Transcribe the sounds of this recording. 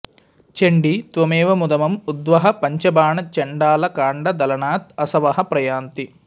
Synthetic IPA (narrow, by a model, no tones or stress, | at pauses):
t͡ʃeɳɖit̪ʋɐmɛːʋɐmud̪ɐmɐmud̪ʋɐɦɐpɐɲt͡ʃɐbaːɳɐt͡ʃeɳɖaːlɐkaːɳɖɐd̪ɐlɐɳaːt̪̚ɐsɐʋɐɦɐpɾɐjaːnt̪i